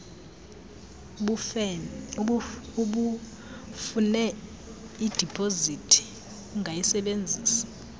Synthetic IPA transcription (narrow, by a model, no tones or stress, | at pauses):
uɓu | funɛ | id̥ʱipʰʼozitʰʼi̥ | ŋʱajisɛɓend͡zʱiːsḁ